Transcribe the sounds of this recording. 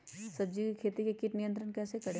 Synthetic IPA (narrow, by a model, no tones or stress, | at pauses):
sɐb̚d͡ʒikikʰeːt̪ikekɪʈnijə̃nt̪ɾənkɛːsekɐɽe